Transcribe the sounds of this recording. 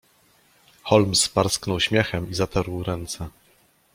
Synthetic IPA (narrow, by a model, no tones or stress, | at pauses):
xɔlmspaɾsknɔwɕmʲjɛxɛmizat̪ʰaɾwɾɛnt̪sɛ